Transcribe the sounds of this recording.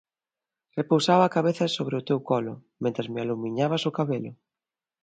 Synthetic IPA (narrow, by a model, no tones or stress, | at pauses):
repowsaβakaβeθɐsoβɾɪʊt̪ewkɔlʊmẽnt̪ɾazmɪalumiɲaβasʊkaβelʊ